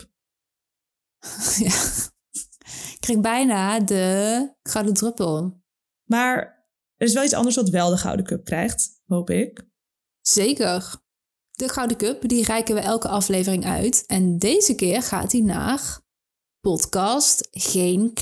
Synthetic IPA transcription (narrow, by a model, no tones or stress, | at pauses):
ja | ɪkrɛjxbɛjnaːdəχɑwdətrøpəlˠ | maːɹ | əɾɪsʋɛlˠit͡ssɑ̰ndəɹsʋɑtʋɛlˠdəχɑ̰wdəkɵp̚krɛ̰jχt | ɦowpɪk | z̥ejkər | d̥əχɑwdəkøpdirɛjkənʋəʔɛlˠkəɑflejvərɪŋœ̰ɥtɛndejzəkɪːrχa̰ːtina̰ːχ | pɔtkɑstχejn